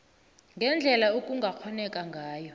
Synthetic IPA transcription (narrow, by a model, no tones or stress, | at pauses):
ŋɡʱɛnd͡ɮʱɛlaokʼuŋɡʱak͡xʰɔnɛkʼaŋɡʱaːjɔ